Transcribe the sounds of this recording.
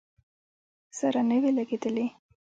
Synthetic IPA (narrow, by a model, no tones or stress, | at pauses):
saɾanəwelaɡed̪əle